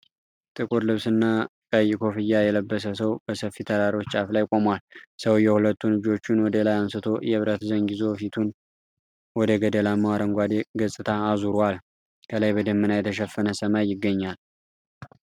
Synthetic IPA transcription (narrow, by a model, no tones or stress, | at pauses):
t̪ʼɨkʼuɾlɨβsɨnːakʼəjːɪkʰo̞fɨjːajɛləbːəs̬əsəwb̥əsəfːit̪ʰəɾaɾiwot͡ʃːt͡ʃʼaflajkʼo̞mwalsəwjɛhulət̪ːulɨd͡ʒo̞t͡ʃːɪnwɔd̪əlajansɨt̪ʰo̞jɛɨβɾət̪zəŋɡizo̞fit̪ʰun | wɔd̪əɡəd̪əlamawaɾəŋɡʷad̪eɡəsʼɨt̪ʰaːzuɾwal | kʰəlajbəd̪əmːɨnajɛt̪ʰəʃɛfːənəsəmajːɪɡːəɲːal